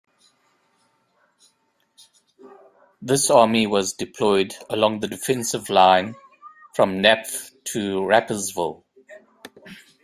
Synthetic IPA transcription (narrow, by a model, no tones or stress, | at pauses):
ðɪsɑːmiwɔzdɪpʰl̥ɔɪdəlɔ̃ŋðədɪfɛ̃nsɪvlãɪ̃n | fɹə̃mnæpftʰəɹæpəzvɪ̰lˠ